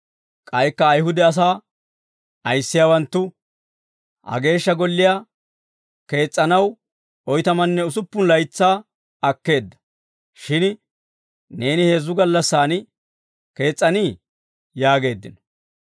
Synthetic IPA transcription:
kʼɐjkːɐːjhʊd̪ɛɐs̬aː | ʔɐjsːɪjaːwɐnt̪ːʊ | hɐ̰ɡe̞ːʃːɐɡɔlːɪjaː | ke̞ːt͡sʼːɐnɐw | ɔjt̪ɐmɐnːɛʊs̬ʊpːʊnlɐjt͡sːaː | ɐkːe̞ːd̪ːɐ̥ | ʃɪn | ne̞ːnɪhe̞ːzːʊɡɐlːɐsːaːn | ke̞ːt͡sʼːɐniː | jaːɡe̞ːd̪ːɪ̰nɔ

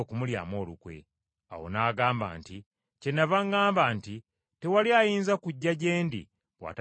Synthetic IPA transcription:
kumulja̰mo̞ːlukwe̞̰ | a̰wo̞̰naːɡaːmba̰ːnti | cenavaŋɡaːmbaːnti | tewaliajiːnzakuɟːaɟe̞ːndḭ | wa̰t

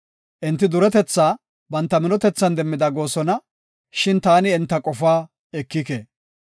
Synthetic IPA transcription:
ʔɪnt̪ːɪd̪ʊɾɛt̪ɛt͡sːaː | bɐnt̪ːɐmɪnɔt̪ɛt͡sːɐnd̪ɛmːɪd̪ɐɡo̞ːsɔnɐ | ʃɪnt̪aːnɪːnt̪ːɐkʼɔfaː | ɛkːɪkḛː

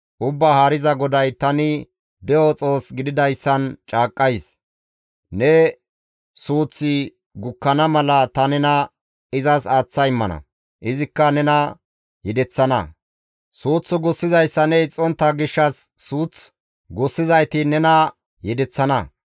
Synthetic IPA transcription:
ʔʊbːahaːɾɪzɐɡɔd̪ɐjt̪ɐnɪ | d̪ɛjɔt͡sʼo̞ːsɡɪd̪ɪd̪ɐjsːɐnt͡ʃʼaːkʼːɐjs | nɛ | suːt͡sːɪ | ɡʊkːɐnɐmɐlɐt̪ɐnɛnɐ | ɪzɐsaːt͡sːɐjɪmːɐnɐ̰ | ʔɪzɪkːɐnɛnɐ | jɛd̪ɛt͡sːɐnɐ̰ | suːt͡sːɔɡʊsːɪzɐjsːɐnɛt͡sʼɔnt̪ːɐɡɪʃːɐsːuːt͡s | ɡʊsːɪzɐjt̪ɪnɛnɐ | jɛd̪ɛt͡sːɐnɐ

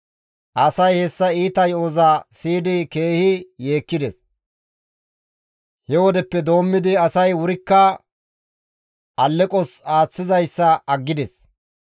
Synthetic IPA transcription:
ʔɐsɐjhɛsːɐiːt̪ɐjoːzaːsiːd̪ɪke̞ːhɪje̞ːkːɪd̪ɛs | hɛwɔd̪ɛpːɛd̪o̞ːmːɪd̪ɪɐsɐjwʊɾɪkːɐ | ʔɐlːɛkʼɔsaːt͡sːɪzɐjsːɐɐɡːɪd̪ɛs

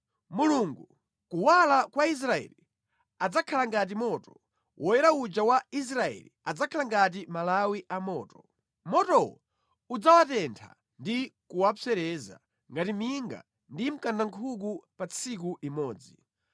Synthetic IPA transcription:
muluŋɡu | kuwalakwais̬ɾaɛ̰li | ad͡zakʰalaŋɡat̬imɔtɔ̥ | wʔɔjɛɾaud͡ʒawais̬ɾaɛ̰lḭad͡zakʰalaŋɡat̬imalawiʔamɔːtɔ | mɔtɔwɔ̰ | ud͡zawatɛntʰa̰ | ndikuwafɛɾɛːza̰ | ŋɡatimiŋɡa̰ | ndim̩kandaŋkʰuk̬upat͡sʰikuʔimɔːd͡zi

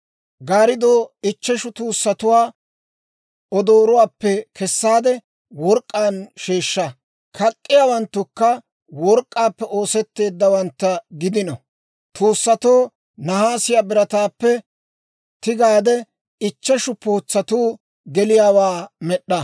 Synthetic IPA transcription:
ɡaːɾɪd̪oːɪt͡ʃːɛʃʊt̪uːsːɐt̪ʊwaː | ɔd̪oːɾʊwaːpːɛkɛsːaːd̪ɛ | wɔɾkʼːaːnʃeːʃːɐ | kʰɐkʼːɪjaːwɐnt̪ːʊkːɐ | wɔɾkʼːaːpːɛʔo̞ːsɛt̪ːe̞ːd̪ːɐwɐnt̪ːɐɡɪd̪ɪnɔ | t̪uːsːɐt̪oː | nɐhaːsɪjaːbɪɾɐt̪aːpːɛ | t̪ɪɡaːd̪ɛ | ɪt͡ʃːɛʃʊpoːt͡sːɐt̪uː | ɡɛlɪjaːwaːmɛɗːɐ

